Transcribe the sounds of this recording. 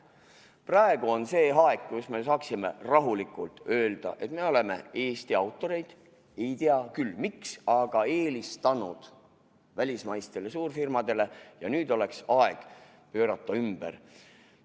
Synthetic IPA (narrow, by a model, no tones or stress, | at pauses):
prɑe̞ɡ̥uo̞nse̞ːɦɑekːusme̞s̬ɑːksimḛrɑɦulikːˑult̪ø̞ːld̪̥ɑ̰ʔe̞t̪me̞o̞le̞me̞̰e̞ːst̪iɑwt̪ːˑo̞ɾe̞jd̪̥ | e̞jt̪iɑkylːmiksɑɡ̥ɑe̞ːlist̪ɑnud̪̥ | vælʲismɑjst̪e̞le̞suːrfirmɑd̪̥e̞le̞jɑnyːd̪̥o̞le̞ksɑe̞ɡ̥ | pø̞ːɾɑt̪ːɑymb̥ḛr